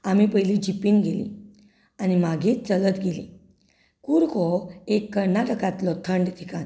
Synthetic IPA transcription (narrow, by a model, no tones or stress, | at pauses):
am̤ipəɦjlid͡ʑipiːnɡelḭ | animaɡiːt̪t͡sələt̪ɡelḭ | kuɾkɔekːəɾnaʈəkãt̪lɔt̪ʰəɳɖt̪ʰikan